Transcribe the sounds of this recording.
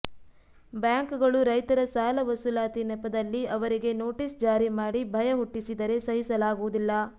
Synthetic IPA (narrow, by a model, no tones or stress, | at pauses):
bjaːŋkɡɐɭuɾɐjt̪ɐɾɐsaːlɐʋɐsulaːt̪inɛpːɐd̪ɐlːiɐʋɐɾiɡe̞no̞ːʈisd͡ʒaːɾimaːɽibʱɐjɐɦuʈːisid̪ɐɾe̞sɐɦisɐlaːɡuʋud̪ilːɐ